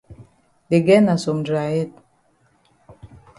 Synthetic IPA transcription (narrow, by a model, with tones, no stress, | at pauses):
de˨ɡɛ˦na˨so˨mdɾa˨jɛ˦˨t̚